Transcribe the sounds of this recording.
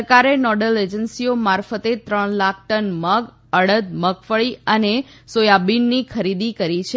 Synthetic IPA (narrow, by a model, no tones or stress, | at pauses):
kaɾenɔɖəled͡ʒənsiomaɾfət̪et̪ɾəɳ̃lak̚ʰʈənməɡ | əɽəd̪̚məkʰfəɭiəne | sojabinːikʰəɾid̪ikəɾit͡ʃʰe